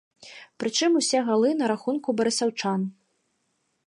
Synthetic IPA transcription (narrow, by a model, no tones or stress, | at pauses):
pɾɨt͡ʂɨmusʲɛɣalˠɨnɐɾaxunkubɐɾɨsawt͡ʂan